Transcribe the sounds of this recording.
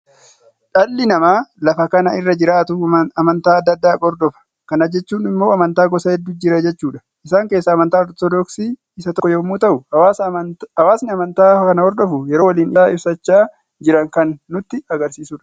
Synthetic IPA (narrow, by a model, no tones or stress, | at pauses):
ᶑɐlːɪnɐmaːlɐfɐkɐnɐɪrːɐd͡ʒɪɾaːt̪ʊɐmɐnt̪aːɐd̪ːɐd̪ːaːɡɔɾd̪ɔfɐ̥ | kɐnɐd͡ʒɛt͡ʃːuːnɪmːo̞ːɐmɐnt̪aːɡɔsɐhɛd̪ːuːd͡ʒɪɾɐd͡ʒɛt͡ʃːuːᶑɐ̥ | ʔɪsaːŋkeːsːɐːmɐnt̪aːɔt̪t̪ɔd̪ɔksiː | ɪsɐt̪ɔkːɔjomːuːt̪ɐʔʊ | hɐwaːsnɪɐmɐnt̪aːkɐnɐhɔɾd̪ɔfʊjɛɾoːwɐliːnɪaːɪbsɐt͡ʃːaː | d͡ʒɪɾɐŋkɐnːʊt̪ːɪɐɡɐɾsiːsuːᶑɐ̥